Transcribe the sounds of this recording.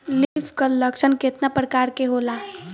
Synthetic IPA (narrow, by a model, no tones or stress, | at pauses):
lifkələkʃənkɪt̪napɾəkaːɾkeɦoːlaː